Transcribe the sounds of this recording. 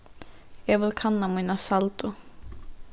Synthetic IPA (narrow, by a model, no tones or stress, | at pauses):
jɛvɪlkʰanːamunasalt̪u